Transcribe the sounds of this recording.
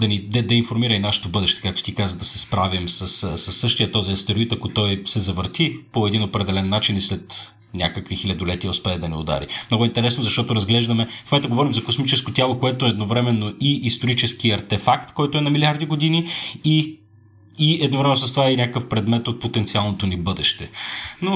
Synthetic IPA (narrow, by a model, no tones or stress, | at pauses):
d̪ɐnid̪ɐd̪ɐinfoɾmiɾɐinaʃɛ̥t̪obɤd̪ɛʃt̪ɛ̥kak̚t̪o̥t̪ikazəd̪ɐsɛspɾavimsəssɐsːɤʃt̪ijət̪ɔziɐst̪ɛɾoit̪ɐkot̪ɔjsɛzɐvəɾt̪ipoɛd̪inopɾɛd̪ɛlɛnːat͡ʃinislɛt̪ | nʲa̰kəkvixilʲɐd̪olɛt̪iospɛd̪ɐnio̰d̪a̰ɾḭmnɔɡʊɛint̪ɛɾɛsnozɐʃt̪ɔt̪oɾɐzɡlɛʒd̪ɐmɛfmomɛnt̪oɡovɔɾimzɐkosmit͡ʃɛskot̪ʲjalˠokoɛt̪oɛɛd̪novɾɛmɛnːoʔiʔːst̪oɾit͡ʃɛskiɐɾt̪ɛfakt̪kɔjt̪oɛnɐmilʲaɾd̪iɡod̪iniiː | ɛd̪novɾɛmɛnosɐst̪ovainʲakəkəfpɾɛd̪mɛt̪ot̪̚pot̪ɛnt̪sialˠnot̪onibɤd̪ɛʃt̪ɛno